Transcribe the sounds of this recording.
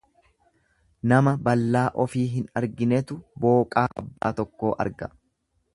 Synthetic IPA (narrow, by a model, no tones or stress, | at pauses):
nɐmɐbɐlːaːʔɔfiːɦɪnɐɾɡɪnɛt̪ʊbo̞ːkʼaːʔɐ̰bːaːt̪ɔkːo̞ːʔɐ̰ɾɡɐ